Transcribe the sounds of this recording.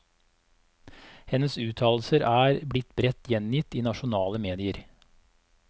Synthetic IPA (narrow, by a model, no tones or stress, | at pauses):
hɛnəsʉːt̪ʰɑːl̩səɾæːɾblɪt̪bɾɛt̪jɛnjɪt̪iːnɑʃʊnɑːləmeːd̪ɪəɾ